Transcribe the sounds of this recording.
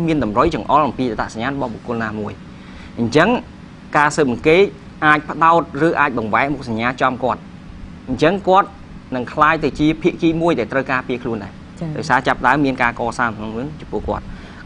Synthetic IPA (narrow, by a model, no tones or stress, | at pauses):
miənɗɑmrəjt͡ɕɑŋʔɑlʔɑmpiːat̪aʔsaɲaːnrɔɓɑhɓo̰kʊ̆əlnaːmuəj | ʔəɲt͡ɕəŋ | kaːsəːp̚ʔəŋkeːt̪̚ | ʔaːc̚pə̆ɗaɔt̪̚rɨːʔaːc̚ɓɑŋʋaɛʔmuk̚saɲːaːt͡ɕɑmkŏət̪̚ | ʔɲt͡ɕəŋkŏət̪̚ | nɨŋkʰlaːjt̪ɨwt͡ɕiəpʰiəʔkiːmuəjɗaɛlt̪rəwkaːpiəkʰluənɗaɛ | t͡ɕɗaɔjsaːt͡ɕapːə̆ɗaəmːiənkaːkɑːsaːmnoŋɨt͡ɕɑmpʊ̆əhkŏət̪̚